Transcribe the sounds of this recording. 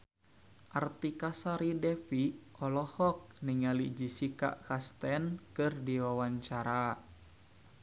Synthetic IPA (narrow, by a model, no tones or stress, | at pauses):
ʔart̪ikasaɾidɛfiɔlɔhɔk̚niŋalid͡ʒisika̰ʔkast̪ɛnkɨrdiwawaɲt͡ʃaɾa